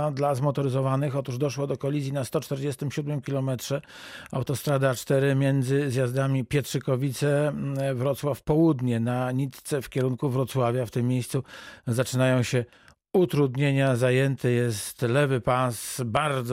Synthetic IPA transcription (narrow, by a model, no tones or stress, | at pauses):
d̪lazmɔt̪ɔɾɘzɔvanɘxɔt̪uʐd̪ɔʂwɔd̪ɔkɔlʲizʲjinast̪ɔt͡ʂt̪ɛɾd͡ʑɛst̪ɘmɕud̪mɘmkʲilɔmɛtʂɛ | a̰wt̪ɔst̪ɾad̪at͡ʂt̪ɛɾɘmʲjɛnd̪zɘzjazd̪amʲipʲjɛtʂɘkɔvʲit̪sɛvɾɔt̪swafpɔwud̪ɲɛnaɲit̪t̪sɛfkʲɛɾuŋkuvɾɔt̪swavʲjaft̪ɘmːʲjejst̪suzat͡ʂɘnajɔ̃w̃ɕɛ | ut̪ɾud̪ɲeɲazajɛnt̪ʰɘjɛst̪lɛvɘpasbaɾd̪z